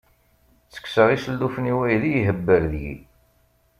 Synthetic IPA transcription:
t͡sːə̥ksəʁisəlːufniwæjlijɦəbːəɾðjḭ

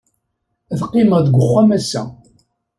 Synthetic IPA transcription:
ðqːɪməʁðɡʷəχʷːæmæsæ̰

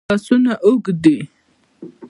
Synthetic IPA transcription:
asunaʔʊɡd̪i

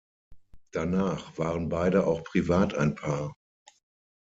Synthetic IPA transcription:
d̥anaːχv̥aːʁənbaɪdəʔa̰ʊxpʁ̥ivaːtaɪnpʰaːɐ

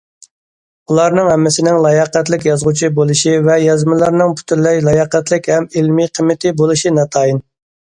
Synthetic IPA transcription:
ulˠɑɾnɨŋhɛmːɪsɪnɪŋlˠɑjɑqɛt̪lɪk̬ʲjɑzʁut͡ʃʰibolˠuʃivɛjɑzmɪlˠɑɾnɨŋpʰy̥t̪ʰyɾlɛjlˠɑjɑqɛt̪lɪkʲhɛmɪlmiqʰəmːɪt̪ʰɪbolˠuʃinɑt̪ʰɑːjin

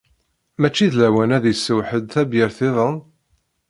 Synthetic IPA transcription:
mæt͡ʃːiðlæwænæðjəsːəwħəd̪θæbjəɾθɪðˤən

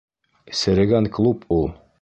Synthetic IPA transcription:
sʲeɾeɡænklˠupʰulˠ

